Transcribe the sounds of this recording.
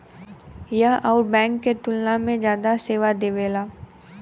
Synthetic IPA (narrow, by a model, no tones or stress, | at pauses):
jəɦɔːɾbɛ̃ːŋkːet̪ʊlnamẽd͡ʒjaːd̪aseːʋad̪eːʋeːlaː